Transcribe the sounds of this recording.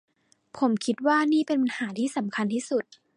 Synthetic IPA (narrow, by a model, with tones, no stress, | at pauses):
pʰo˨˩˦mkʰi˦˥t̪̚waː˥˩niː˥˩pe˧npa˧nhaː˩˦t̪ʰiː˥˩sa˩˦mkʰa˧nt̪ʰiː˥˩su˨˩t̪̚